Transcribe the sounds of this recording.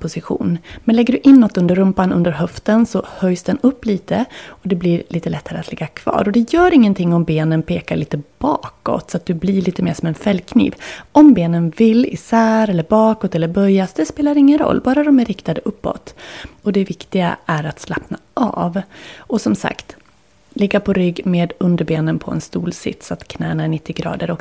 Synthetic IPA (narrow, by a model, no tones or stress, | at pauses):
pʰʊsɪɧṵːnmɛnlɛɡːəɖɵʔɪnːɔt̪ːɵnd̪əɾːɵmpanɵ̰nd̪əɾɦœft̪ənsɔhœjsd̪ɛnɵpːliːt̪əɔd̪ɛblɪɾlʔiːt̪əlɛt̪ʰːaɾə̰at̪lɛɡːakʰv̥ɑ̰ːɾɔd̪ɛjœːɾɪŋːənt̪ʰɪŋːɔmbeːnənpʰeːkaɭiːt̪əb̥ɑːkɔ̰t̪sɔat̪̚d̪ɵblɪɭiːt̪əmḛːʂɔmɛnfɛlːkʰnḭːvɔmbeːnənvɪlːɪ̰sæːɾɛlːəɾbɑːkɔt̪ɛlːəɾbœjasd̪ɛspeːlaɾɪŋːənɾɔ̰lːbɑːɾad̪ɔmæɾːɪkt̪ad̪əʔɵpːɔ̰t̪ɔd̪ɛvɪkt̪ɪɡa̰ʔæɾat̪slapnaʔɑ̰ːvɔsɔmsa̰kt̪ | lɪɡːapʰɔɾʏɡmeːd̪ɵnd̪əɾbeːnənpʰɔɛ̰nst̪ṵːlsɪ̰t̪sɔat̪kʰnæːnæɳɪt̪ːɪɡɾɑ̰ːd̪əɾɔk